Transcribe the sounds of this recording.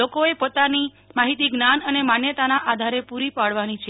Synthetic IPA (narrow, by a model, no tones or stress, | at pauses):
okoepot̪ani | maɦit̪iɡnanənemanjət̪anaʔad̪ʱaɾepuɾipaɽʋanit͡ʃʰe